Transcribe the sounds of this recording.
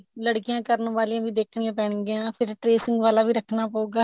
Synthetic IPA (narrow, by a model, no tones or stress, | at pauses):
ləɽkijãːkəɾnʋaːliãːʋiːd̪eːkʰnɪjãːpɛːɳɡeãːpʰɪɾʈɾeːsɪŋɡʋaːlaːʋiːɾəkʰnaːpəuːɡaː